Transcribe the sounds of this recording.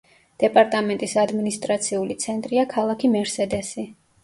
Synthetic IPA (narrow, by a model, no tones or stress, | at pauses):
d̪̥ɛpʼaɾt̪ʼamɛnt̪ʼisad̪minist̪ʼɾat̪sʰiulit̪sʰɛnt̪ʼɾiakʰalˠakʰimɛɾsɛd̪ɛsi